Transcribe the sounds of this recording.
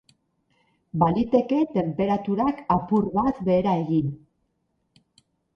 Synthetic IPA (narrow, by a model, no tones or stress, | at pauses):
balit̪e̞ke̞t̪e̞mpe̞ɾat̪uɾakapurβat̪βe̞ːɾae̞ɣin